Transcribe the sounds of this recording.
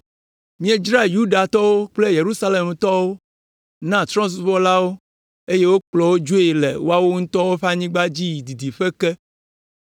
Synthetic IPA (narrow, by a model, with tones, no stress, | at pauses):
mĩ˦e˦d͡ʒɾa˦ju˦ɖa˨t̪ɔ˦wo˦k͡ple˦je˨ɾu˦sa˦le˨mt̪ɔ˦wo˦ | nã˦t̪ɾɔ̃˦s̬u˦βɔ˦la˦wo˦ | e˦je˦wo˦k͡plɔ˨wo˦d͡ʒo˦e˨lɛ̰˨wo˦a˦wo˦ŋũ˦t̪ɔ˦wo˦ɸa˦ɲĩ˦ɡ͡ba˦d͡ʑi˦ji˨d̪i˨d̪i˨ɸe˦kɛ˦